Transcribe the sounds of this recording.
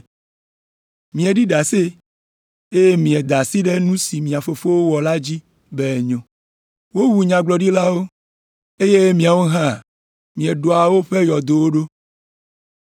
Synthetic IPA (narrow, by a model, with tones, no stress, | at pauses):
mĩ˨ɛ˨ɖi˦ɖa˨se˦ | e˦je˦mĩ˨ɛ˨d̪a˨si˦ɖe˦nũ˦si˨mĩ˨a˨fo˨fo˦wo˦wɔ˨la˦d͡ʑi˦ | bɛ˦˨ɲõ˨ | wo˦wu˨ɲã˨ɡ͡blɔ˨ɖi˦la˦wo˦ | e˦je˦mĩ˨a˨wo˦ɦã˦˨ | mĩ˨ɛ˨ɖo˨a˨wo˦ɸe˦jɔ˨d̪o˨wo˦ɖo˦